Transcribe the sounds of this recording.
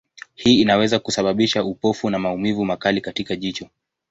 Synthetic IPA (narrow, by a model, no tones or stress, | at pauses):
hiːinawɛzakusaɓaɓiʃaupɔfunamaumivumakalikatikaʄit͡ʃɔ